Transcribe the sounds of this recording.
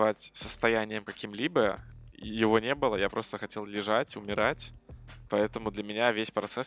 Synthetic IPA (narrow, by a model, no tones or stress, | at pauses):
vatʲsə̥st̪ɐjænʲɪjəmkɐkʲimlʲibə̰jɪvo̞nʲe̞bɨlˠəjapɾo̞st̪əxɐtʲe̞lˠlʲɪʐatʲʊmʲɪɾatʲpɐɛt̪əmʊd̪lʲəmʲɪnʲavʲesʲpɾɐt̪sɛs